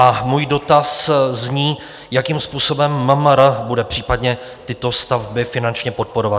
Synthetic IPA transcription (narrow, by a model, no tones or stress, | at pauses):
ʔamuːjdo̞t̪aszɲiː | jakimspuːso̞bɛmːəmɾbudɛpr̝̥iːpadɲɛ | t̪ɪt̪o̞st̪avbɪfɪnant͡ʃɲɛpo̞t̪̚po̞ɾo̞vat